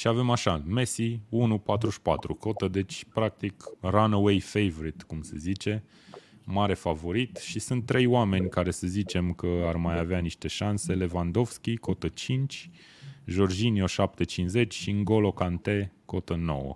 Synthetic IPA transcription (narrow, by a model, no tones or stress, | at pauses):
ʃiave̞maʃaɨnme̞siunupat̪ɾuʃpa̰t̪ɾuko̞t̪əd̪e̞t͡ʃʲpɾak̚t̪ikranowejfejvoɾit̪kumsḛzit͡ʃe̞ | maɾe̞favo̞ɾit̪ʃisunt̪ːɾe̞joame̞nʲkaɾe̞səzit͡ʃe̞mkəarmajaveaniʃt̪e̞ʃanse̞le̞vand̪o̞vskʲiko̞t̪ət͡ʃint͡ʃʲ | ʒo̞rd͡ʒinio̞ʃap̚t̪e̞t͡ʃinze̞t͡ʃʲʃiɨŋɡo̞lokant̪e̞ko̞t̪əno̞̰wə̰